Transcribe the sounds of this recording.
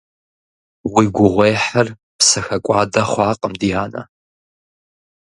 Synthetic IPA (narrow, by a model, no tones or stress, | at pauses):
wiːɡʷʊʁʷejħɐr | psɐxɐkʷʼɑːdɐχʷɑːqʼəmdijaːnɐ̰